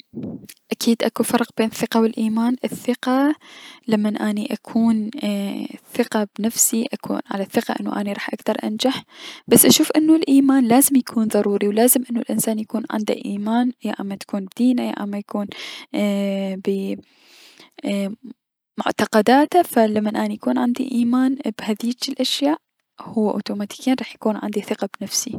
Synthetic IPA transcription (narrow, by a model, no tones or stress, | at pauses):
ʔakʰiːd̪ʔakufɑɾˤqb̥eːnθːɪqawɪlʔiːmaːnʔɪθɪqalamːanʔaːniʔakʰuːn | θɪqabnafsiʔakʰṵːnʕa̰laθːɪqaʔɪ̰nːṵʔa̰ːniɾˤɑːħʔakt̪ɑɾˤʔa̰nd͡ʒaħb̥asːʔaʃuːfʔɪnːulʔiːmaːnlaːzɪmjakʰuːnðˤɑɾˤuːɾiwlaːzɪmʔɪnːulʔɪnsaːnjakuːnʕɪ̰nd̪a̰ʔiːmaːnjaʔa̰mːat̪ḁkuːnbd̪iːnaja̰ʔa̰mːajakuːn | bɪ | mʊ̰ʕt̪ɑqɑd̪aːt̪afalamːanʔaːnijakuːnʕɪnd̪iʔiːmaːnbhaðiːt͡ʃɪlʔaʃjaːʔ | hʊwːaʔo̰ːt̪uːmaːt̪i̥ːkjiːnɾˤɑːħjakuːnʕa̰nd̪iθɪqɑbnafsi